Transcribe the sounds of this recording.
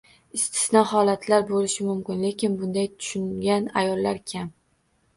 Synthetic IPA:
ɪst̪ʰɪ̥snɒhɒlat̪ʰlaɾbolɪʃɪmʊmkʲɪnle̞kʲɪnbʊnd̪ajt̪ʰʊ̥ʃʊŋɡʲanajɒlˠːaɾkʲʰam

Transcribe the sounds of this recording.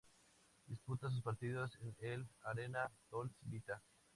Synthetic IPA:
d̪isput̪as̬us̬paɾt̪iðosenelaɾenat̪olsibit̪a

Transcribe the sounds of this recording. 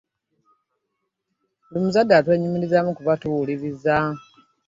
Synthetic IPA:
limuzadːatwe̞ːɲumiɾizamukuβatuːliβiza

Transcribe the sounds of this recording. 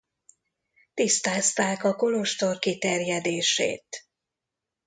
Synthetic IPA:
t̪ist̪aːst̪aːkɒko̞lo̞ʃt̪o̞rkit̪ɛrjɛd̪eːʃḛːt̪

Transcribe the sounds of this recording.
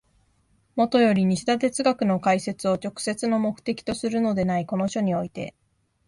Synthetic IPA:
mo̞t̪o̞jo̞ɾʲiɲ̟iɕid̪at̪̬e̞t͡sɨɡakɯ̟no̞kaise̞t͡sɨo̞t͡ɕo̞kɯ̥se̞t͡sɨno̞mo̞kɯ̟̥t̪e̞kʲi̥t̪o̞sɨɾɯ̟no̞d̪e̞naiko̞no̞ɕo̞ɲ̟io̞it̪e̞̰

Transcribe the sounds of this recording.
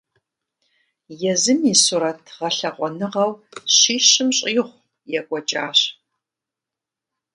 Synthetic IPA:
jɛzɨmisuɾɐtʰʁɐɬɐqʷɔnɨʁɐwɕiːɕɪmɕʼːχʷ | jɛkʷʼɔt͡ʃʼaːɕ

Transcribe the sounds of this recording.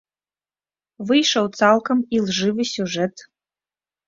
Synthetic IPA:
vɨjʂɐwt͡salˠkʰomilˠʐɨvɨsʲuʐɛtʰ

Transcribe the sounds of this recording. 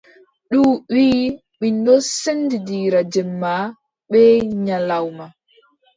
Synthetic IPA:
ɗuːwiː | mindɔsendidiːɾad͡ʒɛmːa | ɓɛɲalawma

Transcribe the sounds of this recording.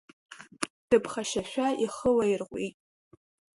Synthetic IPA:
d̥ɨpʰχaʃaʃʷᶣaiχəlajɪrqʷḭtʼ

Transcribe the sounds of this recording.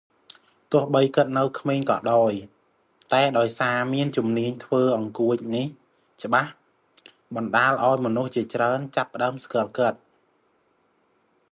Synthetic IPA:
t̪ʊ̆əhɓəjkɨt̪̚nɨwkʰmeːɲkɑ̰ːɗaɔj | t̪aɛɗaɔjsaːmiənt͡ɕumniəɲt̪ʰʋəːʔɑŋkuəc̚nih | t͡ɕə̆ɓah | ɓɑnɗaːlʔaɔjmɔnuht͡ɕiət͡ɕraənt͡ɕapːə̆ɗaəmskɑəlkɨt̪̚

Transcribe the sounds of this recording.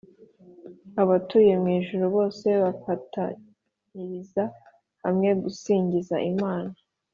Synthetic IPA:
aβatuːje̞mŋiːʒuɾuβo̞ːse̞βafata̰ | ɲiɾiza | hamŋe̞ɡusiːɲɟizaʔimaːna

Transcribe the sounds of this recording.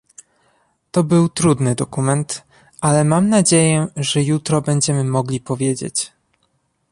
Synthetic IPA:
t̪ɔbɘwt̪ɾud̪nɘd̪ɔkumɛnt̪ | ʔalɛmamnad͡ʑejɛʐɛjut̪ɾɔbɛɲd͡ʑɛmɘmɔɡlʲipɔvʲjed͡ʑḛt͡ɕ

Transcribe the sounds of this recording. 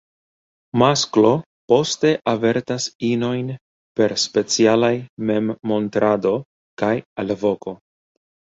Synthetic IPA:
masklo̞ | po̞ste̞ʔave̞ɾtasino̞jn | pe̞ɾspe̞t͡sialajme̞mːo̞ntɾʔado̞ | kajalvo̞ko̞

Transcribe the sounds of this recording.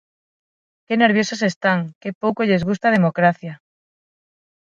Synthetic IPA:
keneɾβjosasest̪aŋkepowkoʎezɣ̞ust̪aðemokɾaθja

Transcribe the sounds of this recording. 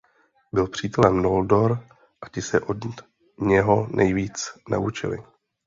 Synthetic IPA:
bɪlpr̝̥iːt̪ɛlɛmnoldoɾ | ʔacɪsɛʔod | ɲɛɦo̞nʔɛjviːt͡sna̰ʔut͡ʃɪ̰lɪ̰

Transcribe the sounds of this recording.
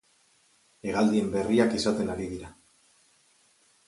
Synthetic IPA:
e̞ɣald̪ie̞mbe̞riakisat̪e̞naɾiðiɾa

